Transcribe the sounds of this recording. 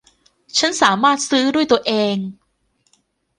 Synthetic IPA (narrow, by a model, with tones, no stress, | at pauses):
t͡ɕʰa˦˥nsaː˩˦maː˥˩t̪̚sɯː˦˥du˥˩əjt̪u˧ɐʔeː˧ŋ